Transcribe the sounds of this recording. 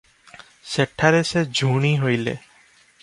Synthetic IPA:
seʈʰaɾesed͡ʒʱuɽ̃iɦojlḛ

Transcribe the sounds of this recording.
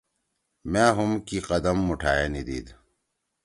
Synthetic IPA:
mẽːɦumkiqɐd̪əmːuʈʰaːjenid̪ḭːd̪

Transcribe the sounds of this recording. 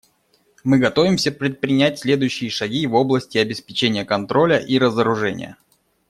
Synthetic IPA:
mɨɡɐt̪o̞vʲɪmsʲəpɾʲɪt̪̚pɾʲɪnʲætʲsʲlʲe̞d̪ʊjʉɕːɪjəʂɐɡʲivo̞blˠəsʲtʲɪɐbʲɪspʲɪt͡ɕenʲɪjəkɐnt̪ɾo̞lʲəʔiɾəzəɾʊʐɛnʲɪ̰jə̰

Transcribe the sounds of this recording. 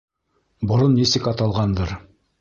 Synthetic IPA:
bŏɾonːisɘkɑt̪ɑlˠʁɑnd̪ɤɾ

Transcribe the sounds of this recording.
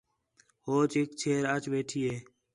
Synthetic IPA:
hoːt͡ʃɪkt͡ʃʰeːɾət͡ʃʋeːʈʰiːeː

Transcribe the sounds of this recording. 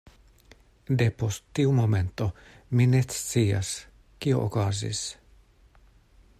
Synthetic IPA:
d̪epost̪ːiumoment̪o | minesiːɑ̰s | kio̰ʔokɑzḭs

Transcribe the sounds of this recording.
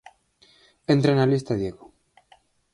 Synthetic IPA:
ent̪ɾenalist̪aðjeɣo

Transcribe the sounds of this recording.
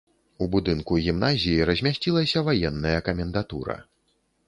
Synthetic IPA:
ubud̪ɨnkuɣʲimnazʲijiɾɐzʲmʲasʲt͡sʲilˠɐsʲɐvajɛnːɐjɐkɐmʲɛnd̪at̪uɾɐ̰

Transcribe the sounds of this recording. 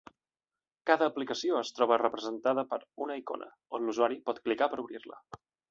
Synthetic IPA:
kaðəːplikəsioəst̪ɾɔβərəpɾəzənt̪að̞əpəɾunəiko̰nʔə̰ | onluzuaɾipɔt̪klikapəɾuβɾirlə̰

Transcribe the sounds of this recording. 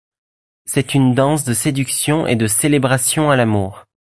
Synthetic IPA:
sɛt̪ynd̪ɑ̃s̬d̪əsed̪yksjɔ̃ʔḛd̪əselebʁasjɔ̃alamuːʁ

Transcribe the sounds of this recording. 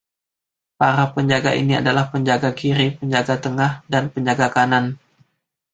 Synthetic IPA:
paɾapəɲd͡ʒaɡa̰ʔḭnia̰dalahpəɲd͡ʒaɡakiɾipəɲd͡ʒaɡat̪əŋahdanpəɲd͡ʒaɡakanan

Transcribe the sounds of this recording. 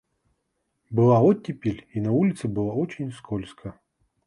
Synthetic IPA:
bɨlˠaɔtʲːepʲelʲinɐvulʲit̪sɨbɨlˠaɔt͡ɕʲinʲskʰɔlʲskʰɐ

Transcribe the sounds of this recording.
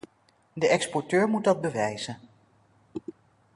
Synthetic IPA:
dəʔɛkspɔɹtøːɹmut̚dɑd̚bəʋɛjz̥ən

